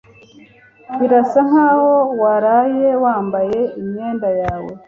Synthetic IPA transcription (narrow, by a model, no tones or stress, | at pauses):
kiɾasaŋ̥haːho̞waɾaːjewaːmbaje̞imɲe̞ːndajaːwḛ